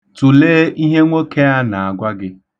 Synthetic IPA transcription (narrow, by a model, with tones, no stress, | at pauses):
tu˨leː˦ʔi˦ɦe˦ŋʷo˦kʰe˦a˦na˨a˨ɡʷa˦ɡɪ˦